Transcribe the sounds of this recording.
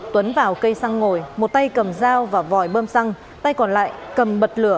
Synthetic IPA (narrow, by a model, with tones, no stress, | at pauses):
t̪wə˨˦nvaː˨˩wkə˧jsa˧ŋːo˨˩jmo˨˩t̚t̪a˧jkə˨˩mzaː˧wvaː˨˩vɔ˨˧˩jɓəː˧msa˧ŋ | t̪a˧jkɔ˨˩nla̰ː˧˨jkə˨˩mɓə˨˩t̚lɨ˧˩ə